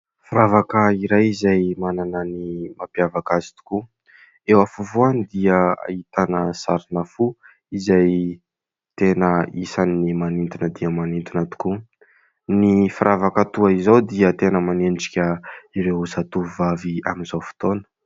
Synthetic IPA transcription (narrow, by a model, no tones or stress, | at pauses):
fiɾavakəiɾajizajmananənimapjavakazi̥t̪u̥ku | ewafuvuanid̪iəa̰it̪anəsaɾinafu | izaj | t̪enəisanːimanint̪inəd̪iəmanint̪unət̪u̥ku | nifɾavakət̪uaizawd̪iət̪enəmanenʈ͡ʂi̥kʲəiɾewusat̪uuvavia̰minzawfu̥t̪onə̥